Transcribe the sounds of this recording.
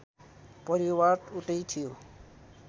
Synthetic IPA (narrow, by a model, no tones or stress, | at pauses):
pɔɾiwaɾʈuʈejt̪ʰijo